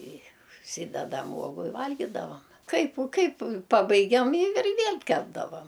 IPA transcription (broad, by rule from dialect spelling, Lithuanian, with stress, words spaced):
ɪ ʊʃʲˈsʲiːdʲɛdɐm ˈuɔɡʊ ɪ ˈʋɐlʲɡʲɪdɐʋɐm ˈkɐɪp ʊ ˈkɐɪp ˈpɑːbɐɪɡʲɛm ɪ ɪr ˈʋʲiɛlʲ ˈkʲæːbdɐʋɐm